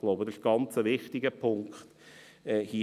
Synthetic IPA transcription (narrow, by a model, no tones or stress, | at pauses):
ɡ̥loʊbədʃɡ̥ɑnt͡səʋɪχtɪɡəpʰʊŋkχt | ɛːhi